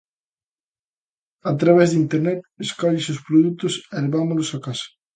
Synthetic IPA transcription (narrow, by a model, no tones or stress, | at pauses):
at̪ɾaβ̞ɛzðint̪eɾnɛt̪̚eskɔʎɪsʊspɾoðut̪ʊsɛleβamolʊsakasɐ̥